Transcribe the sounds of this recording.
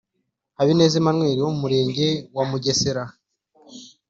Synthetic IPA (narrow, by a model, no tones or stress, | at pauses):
haβine̞ːzimanŋweːɾiwomumuɾe̞ːɲɟe̞wamuɟe̞seɾa